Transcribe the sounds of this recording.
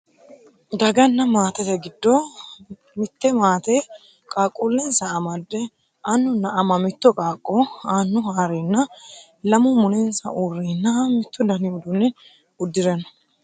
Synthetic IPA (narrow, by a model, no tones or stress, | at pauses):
d̪ɐɡɐnːɐmaːt̪ɛt̪ɛɡɪd̪ːo | mɪt̪ːɛmaːt̪e | kʼaːkʼuːlːɛnsɐːmɐd̪ːɛ | ʔɐnːʊnːɐʔɐmɐmɪt̪ːɔkʼaːkʼːɔaːnːʊhaːɾenːɐ | lɐmʊmʊnɛnsɐ̰ʔuːrːeːnːɐmɪt̪ːɔd̪ɐniʊd̪ʊnːɛn | ʊd̪ːɪɾɛnɐ̥